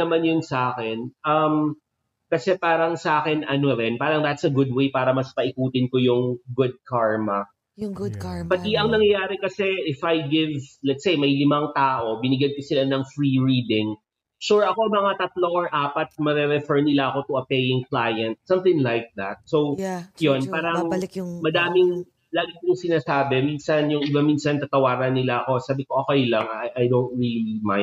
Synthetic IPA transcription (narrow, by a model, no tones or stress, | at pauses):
ɐmanjʊnsɐʔaːkɛnʔɐm | kɐsɛpaːɾɐŋsɐʔaːkɛnɐnoɾɛnpaːɾɐŋd̪ɐt̪sɐɡʊd̪̚wejpaːɾɐmɐspɐʔɪkuːt̪ɪnkojʊŋɡʊd̪̚kʰaɹmɐ | pɐt̪iʔɐŋnɐŋjɐjaːɾɛkɐsɛʔɪfɐjɡɪvlɛt̪sejmɐjlɪmaŋt̪aːʔo̞bɪnɪɡjɐn̚kʊsɪlanɐŋfɹiɹiːd̪ɪŋ | ʃuɹɐko̞mɐŋat̪ɐt̪loɹʔaːpɐt̪̚mɐɾɛɾɛfɛɹnɪlaʔɐko̞t̪ʊɐpejɪŋklaːjɐnt̪̚sɐ̃mt̪ɪ̃ŋlajk̚d̪ɐt̪̚sowjonpaːɾɐŋmɐd̪aːmɪŋ | laːɡɪkʊŋsɪnaːsaːbɛminsɐnjʊŋɪbamiːnsɐnt̪ɐt̪ɐwaːɾɐnːɪlaʔɐko̞saːbɪko̞ʔokɛjlɐŋajʔɐjd̪ownt̪̚ɹiːlima̰j